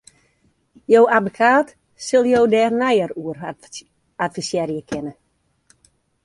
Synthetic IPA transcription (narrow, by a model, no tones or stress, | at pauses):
jowadbəkʰaːt | sɪlˠjowdɛːrnɛjəruər | atfisjɛɾjəkʰɪnə